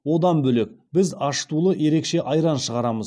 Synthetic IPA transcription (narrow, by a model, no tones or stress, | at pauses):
wo̞d̪ɑnbɵle̞k̚bɪzɑʃt̪ulˠəje̞ɾe̞kʃe̞ʔɑjɾɑnʃəʁɑɾɑməz